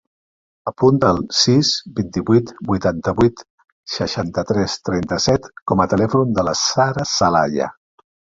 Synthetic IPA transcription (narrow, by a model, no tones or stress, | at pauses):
əpunt̪əːlˠsizbint̪iβuit̪bujt̪ant̪əβuit̪ | səʃant̪ət̪ɾɛst̪ɾɛnt̪əsɛt̪kɔmət̪əlɛfund̪ələsaɾəsəla̰ʎə̰